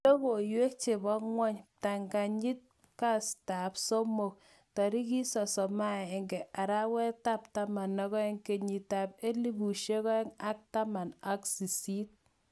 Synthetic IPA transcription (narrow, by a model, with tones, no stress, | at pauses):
do˦bo˨jwe˦k̚t͡ʃe˨bɔ˦ŋwɔ˦ɲta˨ŋɡa˨ɲi˦t̚ | ka˦sta˨pso˦mo˨k̚ | tɔ˨ɾi˦ki˦sɔ˨sɔ˨maː˦˨ŋɡɛ˨ʔa˨ɾa˦wɛ˦ta˦˨p̚ta˦ma˨nːɔ˦kɔ˦ɛ˦ŋke˨ɲi˨ta˨p̚e˦li˦bu˨ʃe˦kɔ˦ɛ˦ŋa˦k̚ta˦ma˨na˦ksi˨si˦t̚